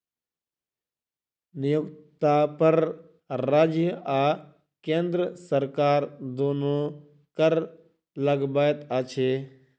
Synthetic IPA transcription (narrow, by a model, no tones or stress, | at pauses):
nɪjʊkt̪aːpəɾ | ɾaːd͡ʒjəaː | kẽːnd̪ɾəsəɾkaːɾd̪oːnoː | kəɾ | ləɡbaːjt̪at͡ʃʰeː